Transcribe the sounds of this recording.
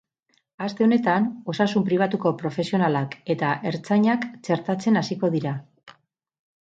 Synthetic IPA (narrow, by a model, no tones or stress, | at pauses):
ast̪e̞o̞ne̞t̪ano̞sasumpɾiβ̞at̪uko̞pɾo̞fe̞sio̞nalake̞t̪aʔe̞ɾt͡saɲakt͡ʃe̞ɾt̪at͡se̞nasiko̞ð̞iɾa